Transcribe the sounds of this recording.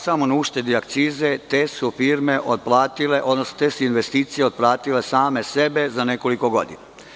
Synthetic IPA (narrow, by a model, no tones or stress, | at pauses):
samonauʃt̪e̞d̪iak̚t̪siːze̞t̪esufiːɾme̞ʔot̪̚plˠaːt̪ileʔod̪nosnot̪esuinʋe̞st̪iːt̪sijeod̪̚plˠaːt̪ile̞saːme̞sebe̞zane̞ko̞liko̞ɡo̞̰d̪ḭna